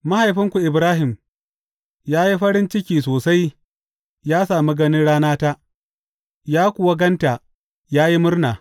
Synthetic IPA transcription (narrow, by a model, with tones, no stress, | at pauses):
ma˦ha˨jɸɪ˦ŋkʷu˨ʔɪ˨bɾaː˦ɦɪ˨m | jaː˦ji˦ɸɐ˦ɾɪ˦nt͡ʃɪ˦kʲiː˨soː˨sa˦j | jaː˦saː˨mi˦ɡɐ˦nɪ˦nɽaː˦naː˦ta˦ʔ | jaː˦kʷʊ˨wa˦ɡɐ˦nta˨ | jaː˦ji˦mʊ˦rnaː˨